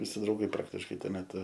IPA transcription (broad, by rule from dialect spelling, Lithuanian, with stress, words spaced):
ʋʲɪˈsʲɪ drɐʊˈɡɐɪ ˈprɑːktʲɪʃkɐɪ ˈtuɔ mʲɛˈtʊ